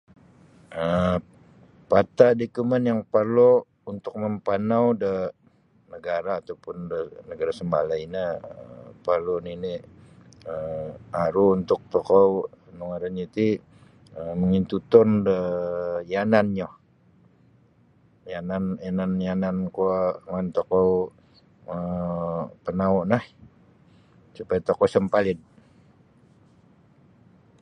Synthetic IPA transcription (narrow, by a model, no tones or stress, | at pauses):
ə | pat̪adikumənjaŋpərlu | unt̪ʊk̚məmpanawdə | nəɡaɾaːt̪awpʊndənəɡaɾasəmba̰lainaəpərlunini | əaɾuːnt̪ʊk̚t̪okɔwnoŋaɾanit̪i | əməŋint̪ut̪ɔndəjananɲɔ | jananjananjanankuaŋant̪okɔw | ə | pənaɔʔnah | supajat̪okɔsəmpalɪd